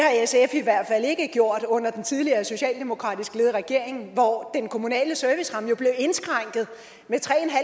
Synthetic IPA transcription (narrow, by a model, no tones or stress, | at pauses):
hɑ̈esefiʋæɐ̰d̥fæl̰e̝ɡ̥əɡ̥jo̝ɐ̰d̥ɔ̽n̰ɐd̥ent͡sʰið̞ˠliɐːso̝ɕɛ̰ːld̥e̝mo̝kʰʁɑ̰̈ːd̥isɡ̥le̝ːðˠʁaɡ̥e̝ɐ̰e̝ŋn̩ʋɒd̥enkʰo̝munɛ̰ːləsœɐʋisʁɑ̈mjo̝b̥le̝ʊe̝nsɡ̥ʁɑ̈ŋ̰ɡ̥ð̞̩ˠ | met͡sʰʁɛ̰ːnɦæ